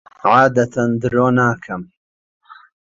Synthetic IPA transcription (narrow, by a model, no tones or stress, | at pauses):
ʕaːd̪ɐt̪ʰɐnd̪ɨɾoːnaːkʰɐm